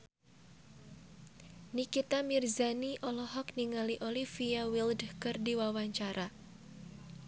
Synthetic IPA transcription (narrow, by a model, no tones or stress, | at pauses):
nikit̪amirzaniʔɔlɔhɔkniŋaliʔolifiawildkɨrdiwawaɲt͡ʃaɾʔa